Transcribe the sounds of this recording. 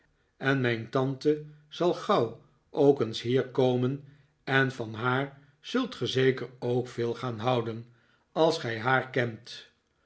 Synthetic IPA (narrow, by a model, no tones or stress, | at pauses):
ɛnmɛjntɑntəz̥ɑlˠχɑw | owkənsɦiːɹkowmən | ɛnfɑnɦaːɹ | z̥ɵlˠtχəzejkəɹowkfeːlˠχaːnɦʌwdən | ɑlˠsχɛjɦaːɹkɛnt